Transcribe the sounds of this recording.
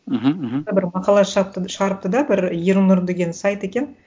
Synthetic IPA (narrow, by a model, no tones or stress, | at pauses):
m̩ɦ̩ɦ̩̪bɪɾmɑqɑlˠɑʃəʁəpt̪ʃəʁɑɾəp̚t̪əd̪ɑbɪɾjeɾunʊɾd̪eɡʲe̞nsɑjt̪e̞kʲe̞n